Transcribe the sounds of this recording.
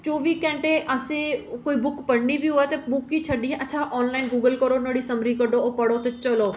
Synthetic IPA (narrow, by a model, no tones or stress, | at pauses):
t͡ʃoːʋikɛ̃ɳʈeʔɐsẽkoːibʊkpɐɽnibʱiɦoːet̪ɐbʊkit͡ɕʰɐɗiɦɛ̃ʔɐtːʃʰaʔɔːnlaːɪnɡuːɡəlkɐɾonoːɽisɐmɾikɐɖoopɐɽot̪et͡ʃɐloː